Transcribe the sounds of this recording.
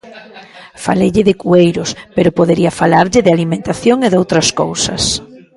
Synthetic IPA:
fa̰lejʎɪðɪkuejɾʊspeɾʊpoðeɾiɐfalaɾʎɪðɪalimẽnt̪aθjoŋeðowt̪ɾɐsko̰wsɐ̰s

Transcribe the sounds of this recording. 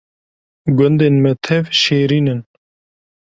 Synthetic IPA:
ɡʊnd̪eːnmɛt̪ʰɛvʃeːɾiːnɨn

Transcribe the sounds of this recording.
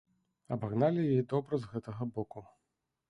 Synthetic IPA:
ɐbaɣnalʲijajid̪ɔbɾɐzɣɛt̪ɐɣɐbɔku

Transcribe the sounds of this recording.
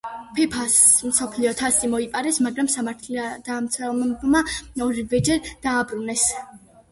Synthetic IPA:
pʰɛpʰasmsɔpʰliɔt̪ʰasʼimɔipʼaɾɛsmaɡɾamsamaɾt̪ʰlad̪̥amt̪sʰwɛlˠmbmaɔɾivɛd͡ʒɛɾd̪̥aːbɾunɛs

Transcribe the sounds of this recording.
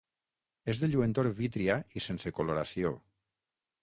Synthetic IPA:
ezðeʎuent̪oɾβit̪ɾiaisensekoloɾasio

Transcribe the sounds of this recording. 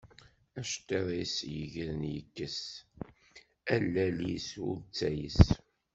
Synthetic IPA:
æʃt̪ːeðˤisjəʝəɾnjəkːəs | ælːælḭsʊ̰ɾt͡sːæjəs

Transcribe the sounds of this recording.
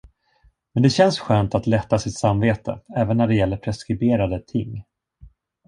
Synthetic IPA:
mɛnd̪ɛɕɛnsɧœːnt̪at̪lɛt̪ːasɪt̪samveːt̪ʰə̰ɛːvənːæɖɛjɛlːəɾpʰɾɛskɾɪbeːɾad̪ət̪ʰɪŋː

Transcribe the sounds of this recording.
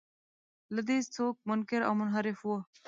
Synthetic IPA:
ləd̪iːst͡sʰoːk̚mʊnkɪɾɐ̰ːmʊnɦɐɾɪfuɐ

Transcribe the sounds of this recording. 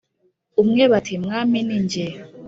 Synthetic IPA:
umŋɛβatʰimŋaminind͡ʒɛ

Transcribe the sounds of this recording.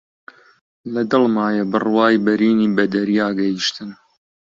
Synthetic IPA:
lɐd̪ɨlˠmaːjebɨrwaːjbɐɾiːniːbɐd̪ɐɾiːaːɡɐjiʃt̪ɨn

